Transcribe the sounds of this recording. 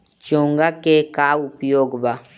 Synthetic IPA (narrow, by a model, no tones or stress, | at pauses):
t͡ʃoŋɡakekaupijoɡba